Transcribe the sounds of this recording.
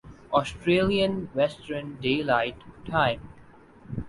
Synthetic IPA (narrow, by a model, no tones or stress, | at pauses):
ɔːsʈɾeːliə̃nʋɛsʈəɾnɖeːlaɪʈʰːãɪ̃m